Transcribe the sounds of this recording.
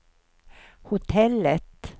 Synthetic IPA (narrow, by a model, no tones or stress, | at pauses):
hʊt̪ʰɛlət̪